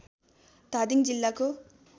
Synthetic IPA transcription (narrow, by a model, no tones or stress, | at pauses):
t̪ad̪iŋd͡ʑilːako